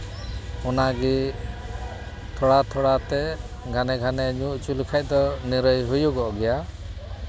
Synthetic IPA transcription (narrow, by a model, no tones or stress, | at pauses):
ɔnaɡi | t̪ʰɔɽat̪ʰɔɽat̪ɛ | ɡʱanɛɡʱanɛɲuʔt͡ʃulikʰac̚ˀd̪ɔniɾəjɦujuɡɔɔɡɛja